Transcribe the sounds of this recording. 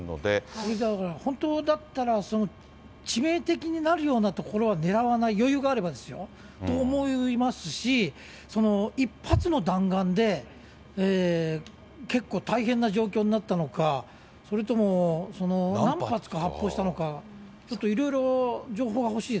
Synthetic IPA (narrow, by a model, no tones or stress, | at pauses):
no̰d̪esoɾed̪aɾahõ̞nt̪o̞ːd̪at̪ːaɾaso̞no̞ | t͡ɕime̞ːt̪e̞kʲiɲ̟inaɾɯ̟jo̞ːnat̪o̞ko̞ɾo̞β̞ane̞ɾaβanaijo̞jɯ̟ːɡaːɾe̞bad̪e̞sɨjo̞̰ | o̞ːmo̞imasɨɕi | so̞no̞ipʰːat͡sɨno̞d̪ãŋɡãnd̪e̞ | eː | ke̞kːo̞ːt̪aiɦẽ̞nːaʑo̞ːk̬ʲo̞ːɲ̟inat̪ːano̞ka | so̞ɾet̪o̞mo̞so̞no̞nãmpat͡sɨ̥kahapːo̞ːɕi̥t̪ano̞ka | t͡ɕo̞t̪ːo̞iɾo̞iɾo̞d͡ʑo̞ːɦo̞ːɡaho̞ɕiː